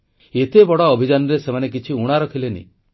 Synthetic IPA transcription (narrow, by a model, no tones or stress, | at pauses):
et̪ebɔɽɔːbʱid͡ʒanɔɾesemanek̬it͡ʃʰiuɽ̃aɾɔkʰilenḭ